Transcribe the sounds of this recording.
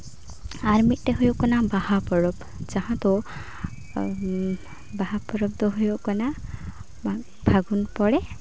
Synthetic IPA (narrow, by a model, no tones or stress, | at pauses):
aɾmit̪̚teɦujokɔnabahapɔɾɔb | d͡ʒaɦãt̪ɔ | baɦapɔɾɔb̚d̪oɦujokɔna | bʱaɡunpɔɽe